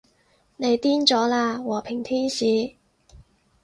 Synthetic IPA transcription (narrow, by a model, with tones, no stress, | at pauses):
ne˨˧jt̪iː˥nt͡sɔː˨˥laː˧wɔː˨˩pʰɪ˨˩ŋt̪ʰiː˥nsiː˨˥